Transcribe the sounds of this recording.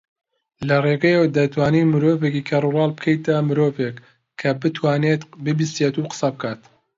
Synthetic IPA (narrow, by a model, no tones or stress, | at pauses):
lɐreɡɐjewd̪ɐt̪waːniːmɨɾoːvekiːkʰɐrurɑːlˠbɨkʰejt̪amɨɾoːvekʰː | ɐbɨt̪ʰwaːnet̪bɨbisjet̪uqə̥sɐbɨkʰaːt̪